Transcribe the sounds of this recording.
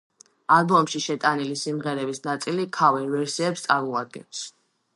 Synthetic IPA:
alˠbɔmʃiʃɛt̪ʼanilisimʁɛɾɛbisnat̪sʼilikʰavɛvɛɾsiɛpst̪sʼaɾmɔad̪̚ɡɛ̰ns

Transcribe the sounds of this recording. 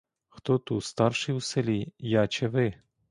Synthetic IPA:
xt̪ɔt̪ust̪ɑrʃiwselʲijɑt͡ʃɛʋɪ

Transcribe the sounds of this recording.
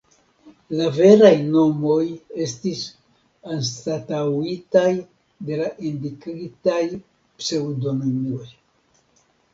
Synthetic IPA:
lave̞ɾajno̞moje̞stis | anstatawitaj | d̪e̞laʔindikɾitaj | psewdo̞nomioj

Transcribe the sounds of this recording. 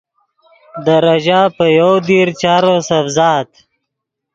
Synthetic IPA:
d̪əɾaʒapəjawd̪iɾt͡ʃaːɾosafzɑːt̪

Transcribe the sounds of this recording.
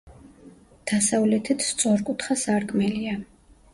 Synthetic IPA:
d̪̥asavlɛt̪ʰit̪ʰt̪sʼɔɾkʼut̪ʰχasaɾkʼmɛlia

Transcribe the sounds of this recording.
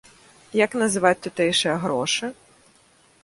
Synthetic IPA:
jɐknɐzɪʋatʲt̪ʊt̪ɛjʃɨjɐɦɾɔʃɪ

